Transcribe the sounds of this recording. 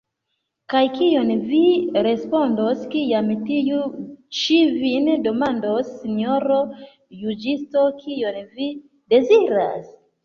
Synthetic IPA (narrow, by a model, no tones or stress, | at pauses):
kajkio̞nviɾe̞spo̞ndo̞skiamtijut͡ʃivindo̞mando̞sːinioɾo̞ | jud͡ʒisto̞kʰijonvi | de̞ziɾa̰s